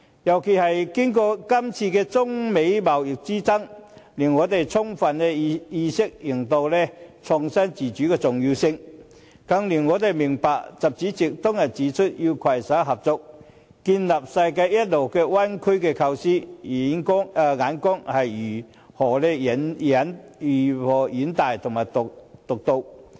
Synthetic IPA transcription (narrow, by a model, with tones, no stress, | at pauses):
jɐ˨wkʰe˨˩hɐ˨jkɪ˥ŋkɔː˧kɐ˥mt͡sʰiː˧kɛː˧t͡sʊ˥ŋme˨˥jmɐ˨wjɪ˨k̚t͡siː˥t͡sɐ˥ŋliː˨˩nŋɔː˨˧t̪̬e˨jt͡sʰʊ˥ŋfɐ˨nɛː˧jiː˧sɪ˥k̚ji˨˩ŋt̪o˧wlɛ˥t͡sʰʊ˨˩ŋsɐ˥nt͡siː˨t͡ʃyː˨˥kɛː˧t͡sʊ˨ŋjiː˧sɪ˧ŋ | kɐ˧ŋliː˨˩nŋɔː˨˧t̪e˨jmɪ˨˩ŋpaː˨k̚t͡sɐ˨p̚t͡siː˨˥t͡si˨˩k̚t̪ɔ˥ŋjɐ˨t̚t͡siː˨˥t͡ʃʰʊ˥t̚ji˧wkʰwɐ˨˩jsaː˨˥ɦɐ˨p̚t͡sʊ˨k̚ | kiː˧nlɐ˨p̚sɐ˧jkaː˧jɐ˥t̚lo˨˩wkɛː˧wɐ˥nkʰɵ˥ɥkɛː˧kʰɐ˧wsiː˥i˨˥nkʊ˥ŋ˧ŋaː˨˥nkʊ˥ŋhɐ˨jyː˨˩ | hɔː˨˩lɛː˥˨nɐ˨˥nː˨˩ | hɔː˨˩jiː˨˥nt̪aː˨jt̪ʰʊ˨˩ŋmaː˨˩jt̪ʊ˨k̚t̪ʊ˨k̚t̪o˧w